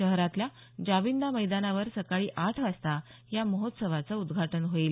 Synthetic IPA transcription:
əɦɾat̪lja | d͡ʑaʋind̪aməjd̪anaʋəɾsəkaɭiːʔaʈʰʋast̪a | jaməɦot̪səʋat͡səud̪ɡʱaʈənɦoiːl

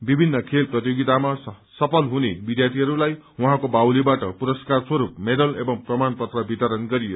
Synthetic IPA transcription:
bibʱinːʌkʰelprʌt̪joɡit̪ama | sʌpʰʌlɦunebid̪jat̪ʰiɦʌɾulaj | wuɦãkobawlibaʈʌpuɾʌskarswʌɾupmed̪ʌlebʌŋprʌmanpʌt̪rʌbit̪ʌɾʌnɡʌɾijo

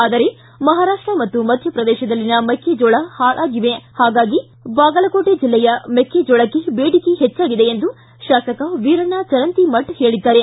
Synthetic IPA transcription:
aːd̪ɐɾe̞ | mɐɦaːɾaːʂʈɾɐmɐt̪ːumɐd̪ʱjɐpɾɐd̪ɛːʃɐd̪ɐlːinɐmekːed͡ʒɔːɭɐhaːɭʔaːɡiʋehaːɡaːɡi | baːɡɐlɐkoːʈed͡ʒilːɛjɐmekːed͡ʒɔːɭɐkːebeːɽikiɦet͡ʃːaːɡid̪eːnd̪u | ʃaːsɐkɐʋiːɾɐnat͡ʃɐɾɐnt̪imɐʈhe̞ːɭid̪ːaːɾe̞

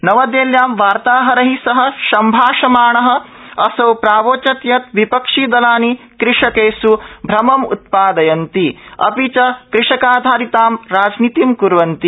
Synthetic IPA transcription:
nɐʋɐd̪eːljaːmʋaːɾt̪aːɦɐɾɐɦisɐɦɐ̆ʃɐmbʱaːʃɐmaːɳɐɦɐ̆ɐsɐwpɾaːʋoːt͡ʃɐt̪jɐt̪ʋipɐkʂiːd̪ɐlaːni | kɾɪʂɐkeːsubʱɾɐmɐmṵt̪̚paːd̪ɐjɐnt̪iɐ̰pit͡ʃɐkɾɪʂɐkaːd̪ʱaːɾit̪aːmɾaːd͡ʒnit̪imkuɾʋɐnt̪i

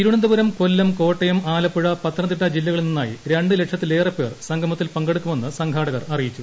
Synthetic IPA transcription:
iɾuɳɐnd̪uʋɐɾɐmkolːɐmko̞ːʈːɐjɐmaːlɐpːuɻɐpɐt̪ːrɐnd̪iʈːɐd͡ʑilːɐɣɐɭilninːa̰ːjḭɾeɳɖɨle̞kʂɐt̪ːile̞ːrɐpːe̞ːrsɐŋɡʰʱɐmɐt̪ːilpɐŋɡeɽukːume̞nːɨsɐŋɡʱaːɽɐɣɐrɐrijit͡ɕːu

